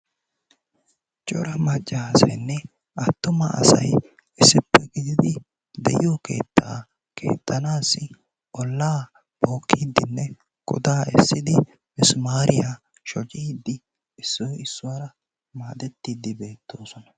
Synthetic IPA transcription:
t͡ʃʼɔɾɐmɐt͡ʃʼːɐasɐ̰jnːɛ | ɐt̪ːʊmɐɐ̰sɐ̰j | ɪsːɪpːɛɡɪd̪ɪd̪ɪ | d̪ɛ̰joːkʰe̞̰ːt̪ʰːa̰ː | kʰe̞̰ːt̪ʰːɐnaːsːɪ | ɔlːaː | bo̞ːkʰːiːd̪ːɪnːɛ | kʼʊ̰d̪aːɛ̰sːɪd̪ɪ | mɪsmaːɾɪja | ʃɔt͡ʃʼiːd̪ːɪ | ɪsːɔjɪsːʊwaɾɐ | maːd̪ɛt̪ːiːd̪ɪbe̞ːt̪ːo̞ːsɔnɐ

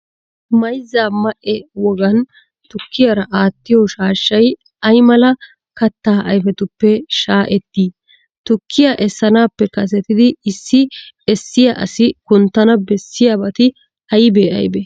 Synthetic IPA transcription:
mɐjzaːmɐʔɛwɔɡɐn | t̪ʊkːɪjɐɾɐʔaːt̪ːɪjoʃaːʃːɐj | ɐjmɐlɐ | kɐt̪ːaːʔɐjfɛt̪ʊpːɛʃaːʔɛt̪ːiː | t̪ʊkːɪjɐʔɛsːɐnaːpːɛkɐs̬ɛt̪ɪd̪ɪɪsːɪɛsːɪjɐʔɐsɪkʊnt̪ːɐnɐbɛsːɪjɐbɐt̪ɪ | ɐjbeːɐ̰jbɛ

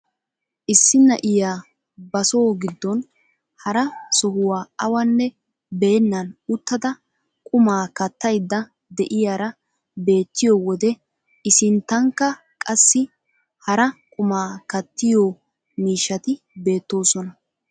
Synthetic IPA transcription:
ʔɪsːɪnːɐʔɪjaː | bɐso̞ːɡɪd̪ːɔn | hɐɾɐsɔɦʊwaːɐwɐnːɛ | be̞ːnːɐnʊt̪ːɐd̪ɐ | kʼʊmaːkɐt̪ːɐjd̪ːɐ | d̪ɛʔɪjaːɾɐ | be̞ːt̪ːɪjɔwɔd̪ɛ | ɪsɪnt̪ːɐŋkːɐ | kʼɐsːɪ | hɐɾɐkʼʊmaːkɐt̪ːɪjoː | miːʃːɐt̪ɪ | be̞ːt̪ːo̞ːsɔnɐ

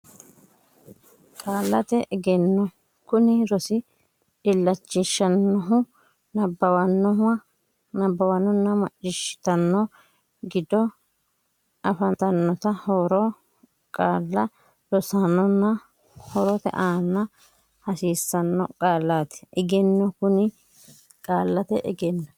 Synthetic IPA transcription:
kʼaːlːɐt̪ɛʔɛɡɛnːɔ | kʊnɪɾɔsɪ | ᶑɪlːɐt͡ʃːɪʃɐnːɔɦʊ | nɐbːɐwɐnːɔɦʊwɐ | nɐbːɐwɐnːɔnːɐmɐt͡ʃʼːɪʃɪ̥t̪ɐnːɔ | ɡɪd̪ɔ | ʔɐfɐt̪ɐnːɔt̪ɐhoːɾɔ | kʼaːlːɐ | ɾɔsanːɔnːɐ | hɔɾɔt̪ɛ̰ʔaːnːɐ | hɐsiːsːɐnːɔ̰kʼaːlːaːt̪ɛ̥ɛɡɛnːɔkʊnɪ | kʼaːlːɐt̪ɛʔɛ̰ɡɛnːɐ

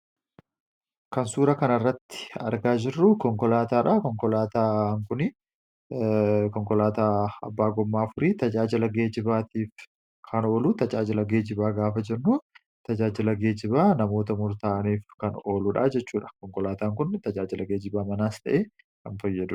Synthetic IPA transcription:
kɐnsuːɾɐkɐnɐrːɐt̪ːɪ̥ɐ̰ɾɡaːd͡ʒɪrːʊkɔŋkɔlaːt̪aːᶑaːkɔŋkɔlaːt̪aːŋkʊnɪ | kɔŋkɔlaːt̪aːɐ̰bːaːɡɔmːaːfʊɾiːt̪ɐd͡ʒaːd͡ʒɪlɐɡe̞ːd͡ʒɪbaːt̪iːf | kʰɐno̞ːluːt̪ɐd͡ʒaːd͡ʒɪlɐɡe̞ːd͡ʒɪbaːɡaːfɐd͡ʒɛnːuː | t̪ɐd͡ʒaːd͡ʒɪlɐɡe̞ːd͡ʒɪbaːnɐmo̞ːt̪ɐmʊɾt̪aːniːfkɐno̞ːlʊᶑaːd͡ʒɛt͡ʃːuːᶑɐ̥kɔŋkɔlaːt̪aːŋkʊnːɪt̪ɐd͡ʒaːd͡ʒɪlɐɡe̞ːd͡ʒɪbaːmɐnaːst̪ɐ̰ʔeː | kɐnfɐjːɐd̪ʊ̥

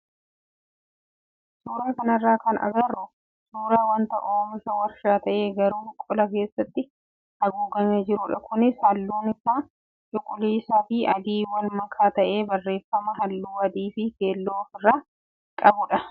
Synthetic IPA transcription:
suːɾaːkɐnɐrːaːkɐnɐ̰ɡɐrːʊ | suːɾaːwɐnt̪ɐ̰ʔoːmɪsɐwɐɾʃaːt̪ɐʔe̞ːɡɐɾuːɪkʼːʊlɐke̞ːsːɐt̪ːɪ | hɐɡuːɡɐɲːɐd͡ʒɪɾʊᶑɐ̰kʰʊnɪsɐlːuːnɪsaːn | t͡ʃʼʊkʼʊliːsaːfɪɐd̪iːwɐlmɐkʰːaːt̪ɐʔe̞ːbɐrːe̞ːfːɐmɐɦɐlːuːɐd̪iːfɪke̞ːlːoːfɪrːaː | kʼɐbʊᶑɐ

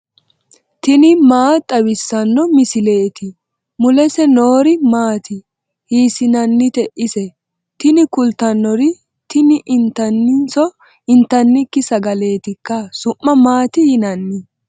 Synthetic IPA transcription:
t̪ɪnɪmaːt̪ʼɐbɪsːɐnːɔmɪsɪle̞ːt̪ɪ | mʊlɛsɛnoːɾɪmaːt̪ɪ | hiːsɪnɐnːɪt̪ɛʔɪsɛ | t̪ɪnɪkʊlt̪ɐnːɔɾɪ | t̪ɪnɪʔɪnt̪ːɐnːɪnsɔ | ɪnt̪ːɐnːɪkːɪsɐɡɐle̞ːt̪ɪkːɐsʊmːɐmaːt̪ɪjɪnɐnːɪ

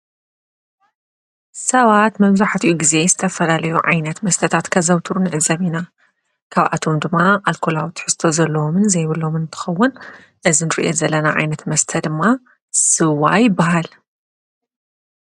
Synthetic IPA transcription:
sɐβat̪mɐβzaħt̪ʰiʔuɡize̞zɨt̪ʰɐfɐlalɐjuʕa̰jnɐt̪mɐst̪ʰɐt̪ʰat̪kʰɐzɐwt̪ʰuɾunɨʕɨzɐβina | kʰaβʔa̰t̪ʰo̞md̪ɨmːaʔalkʰo̞lawt̪ʰħɨst̪ʰo̞zɐlːɐomɨnzɐjβɨlomɨnɨt̪ʰɨ̥xɐwːʊn | ʔɨzinɨɾḭʔezɐlːɐnaʕa̰jnɐt̪mɐst̪ʰɐd̪ɨmːa | sɨwːa̰jɪbːaɦal

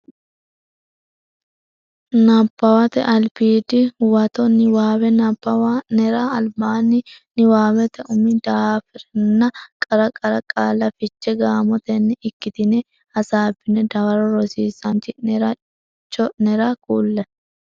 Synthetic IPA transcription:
napːɐwɐt̪ɛ̰ʔɐlpiːd̪ɪwɐt̪ɔnɪwaːwɛnapːɐwanɛɾaɐlbaːnɪnɪwaːwɛt̪ɛʊmːɪd̪aːfɪɾɛnːɐkʼɐɾɐkʼɐɾɐkʼaːlːɐfɪt͡ʃːɛɡaːmɔt̪ɛnːɪɪkːɪt̪ɪnɛ | ɐsaːbɪnɛd̪ɐwɐɾɔɾɔsiːsɐnt̪ɪnɛɾɐ | t͡ʃːɔnɛɾɐkuːlːɛ

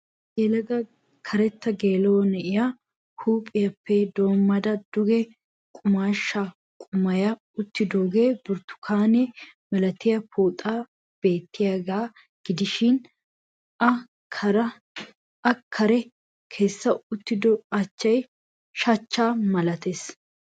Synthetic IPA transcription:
ɡeːlɐɡɐ | kʰɐɾɛt̪ːɐɡe̞ːloɔnɛʔɪja | huːpʼːɪjɐpːɛd̪o̞ːmːɐd̪ɐd̪̥ʊɡɛ | kʼʊmaːʃːa | kʼʊmɐjɐ | ʊt̪ːɪd̪oːɡe̞ːbʊɾt̪ːʊ̥kʰaːnɛmɛlɐt̪ɪjɐpʰuːt̪ʼaː | b̥e̞ːt̪ːɪjaɡaː | ɡ̥ɪd̪ɪʃɪn | ɐ | kʰɐɾɐ | ɐkʰːɐɾɛ | kʰe̞ːsːɐʊt̪ːɪd̪ɔɐt͡ʃːɐj | ʃɐt͡ʃːaːmɐlɐt̪es

